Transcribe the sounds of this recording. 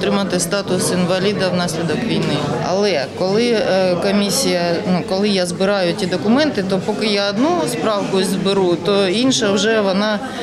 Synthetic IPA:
t̪ɾɪmɐt̪ɪst̪ɑt̪ʊsɪnʋɐlʲid̪ɐwnɑsʲlʲid̪ɔkʋʲijnɪɐ̰lˠɛkɔlˠɪkɔmʲisʲijɐnukɔlˠɪjazbɪɾɑjʊtʲid̪ɔkʊmɛnt̪ɪt̪ɔpɔkɪjaːd̪nuspɾɑwkʊzbɪɾut̪ɔinʃɐwʒɛʋɔnɑ

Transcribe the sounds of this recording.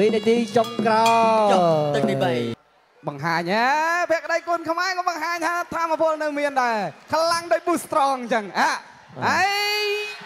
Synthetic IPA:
ʋiːniət̪iːt͡ɕomkrɑ | ɨiɓəj | ɓɑŋɦaːɲʔapʰɛ̆əkəɗəjkŭənkʰmaɛkɔːɓɑŋɦaːɲt̪ʰaːt̪ʰaːmːapʰʊəlnɨwmiənɗaɛkʰlaŋɗoːc̚ɓust̪rɑːŋɲt͡ɕəŋʔaː | ʔəj

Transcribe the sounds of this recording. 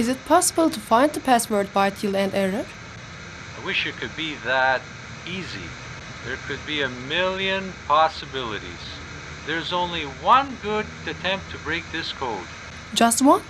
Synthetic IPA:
ɪzɨt̚pʰɑsəbəl̩ˠtʰufãɪ̃nðəpʰæswə˞d̚bajtʰilˠæ̃ndɛɹəɹ | aɪwɪʃɨt̚kʰɨd̚biðəɾ | izḭ | ðə˞kʰɨd̚biɨmɪlˠjɨ̃npʰɑsɨbɪlˠɨɾḭz̥ | ðə˞zõʊ̃nliwʌ̃nɡʊɾ | ɨtʰɛ̃mp̚tʰɨbɹeɪk̚ðɪskʰoʊd̥ | d͡ʒʌst̚wʌ̃n

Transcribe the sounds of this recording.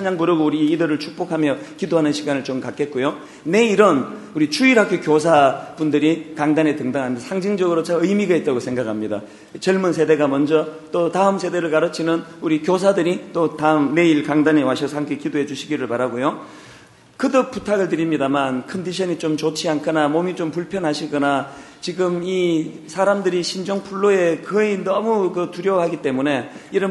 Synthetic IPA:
aɲaŋbɯɾɯɡouɾiːdɯɾɯɭt͡ɕʰuk̚p͈okʰamjʌkidoɦanɯnɕʰiɡanɯɭt͡ɕomkak͈e̞t̚k͈ojo | ne̞iɾʌn | uɾit͡ɕuiɾɦakʰokjosʰabundɯɾikaŋdanetɯŋdaŋɦandsʰaŋd͡ʑiŋd͡ʑʌɡɯɾot͡ɕʰaɯjmiɡait̚t͈aɡosʰe̞ŋɡakʰamɲida̰ | t͡ɕʌɭmunsʰe̞de̞ɡamʌnd͡ʑʌt͈otaɯmsʰe̞de̞ɾɯɭkaɾɯt͡ɕʰinɯnuɾikjos̬ʰadɯɾit͈otaɯmne̞iɭkaŋdaɲiwaɕʰʌs̬ʰaŋɡekidoɦe̞d͡ʑuɕʰiɡiɾɯɭpaɾaɡojo | kɯdɯputʰaɡɯɭtɯɾimɲidamankʰʌnd̪iɕʰʌɲit͡ɕomt͡ɕot͡ɕʰiankʰɯnamomit͡ɕompuɭpʰjʌnɦaɕʰiɡʌna | t͡ɕiɡɯmi | sʰaɾamdɯɾiɕʰind͡ʑoŋpʰuɭːoe̞kɯinʌmukɯtuɾjʌwɦaɡit͈e̞mune̞iɾʌ

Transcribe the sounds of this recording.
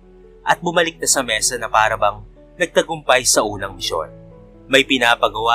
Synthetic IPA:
ʔɐt̪̚bʊmɐlɪk̚nɐsɐmɛsɐnɐpaːɾɐbɐŋ | nɐɡ̚t̪ɐɡʊmpɐjsɐʔuːnɐŋmɪʃo̰n | mɐjpɪnaːpɐɡɐwa

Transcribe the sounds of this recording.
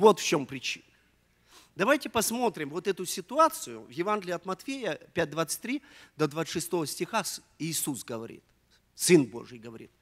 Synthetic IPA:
vo̞t̪ft͡ɕo̞mpɾʲɪt͡ɕḭnə | d̪ɐvajtʲɪpɐsmo̞t̪ɾʲɪmvo̞t̪ɛt̪ʊsʲɪt̪ʊat̪sɨjʊvjɪvanɡʲɪlʲɪɐt̪mɐt̪fʲejəpʲæt̚ʲd̪vat̪sɨ̥tʲt̪ʲɾʲid̪əd̪vat̪ːʂɨst̪o̞vəsʲtʲɪxas | iːsusɡəvɐɾʲḭt̪ | sɨnbo̞̰ʐɨjɡəvɐɾʲḭt̪̚

